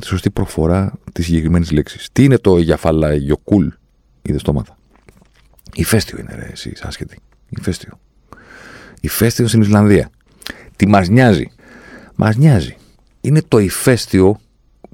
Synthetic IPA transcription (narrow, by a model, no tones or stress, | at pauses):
t̪i̥so̞st̪ipɾo̞fo̞ɾɐt̪isːiɲɟe̞kɾime̞nizliksi̥st̪iine̞t̪o̞ʝɐfɐlɐʝo̞kul | iðest̪o̞mɐt̪ɐ̥ | ife̞st̪io̞ḭnḛɾḛesḭsɐ̰sçet̪i̥ | ifest̪io̞ | ife̞st̪iost̪inislɐnðiɐ̰ | t̪imɐzɲɐzḭ | mʔɐ̰zɲɐzi | ine̞t̪o̞ife̞st̪io̞